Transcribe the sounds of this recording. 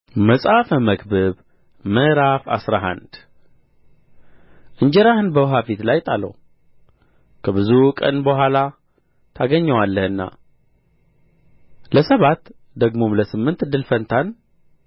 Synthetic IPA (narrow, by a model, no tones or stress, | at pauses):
məsʼafəməkbɨβ | məɾafa̰sɾaɦa̰nd̪ | ʔɨɲd͡ʒɛɾahɨnbəwɦafit̪lajt̪ʼalə̰w | kʰəβɨzukʼə̰nbəhʷwʷala | t̪ʰaɡəɲːɛwalːəhɨnːa̰ | ləsəβat̪ | d̪əɡmomləsɨmːɨnt̪d̪ɨlfənt̪ʰan